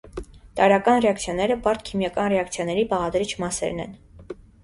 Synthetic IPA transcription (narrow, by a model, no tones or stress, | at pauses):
t̪ɑɾɑkɑnrɛɑkt͡sʰjɑnɛɾəpɑɾt̪kʰimjɑkɑnrɛɑkt͡sʰjɑnɛɾipɑʁɑd̪ɾit͡ʃʰmɑsɛ̰ɾnɛ̰n